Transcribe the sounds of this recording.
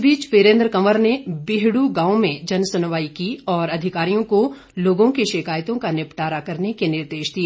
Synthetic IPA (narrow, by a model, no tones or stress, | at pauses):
biːt͡ʃʋeːɾẽːnd̪ɾəkɐməɾnebɪɦɽuɡãːõmẽd͡ʒɐnsʊnʋaːikiɔːɾɐd̪ʱɪkaːɾijõko | loːɡõkeʃɪkaːjt̪õkanɪpʈaːɾakɐɾnekenɪɾd̪eːʃd̪ieː